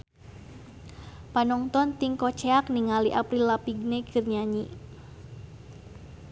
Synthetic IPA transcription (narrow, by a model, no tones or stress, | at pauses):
panɔŋt̪ɔnt̪iŋkɔt͡ʃeakniŋaliʔapɾilapiɡ̚neɡ̥ɨrɲaɲi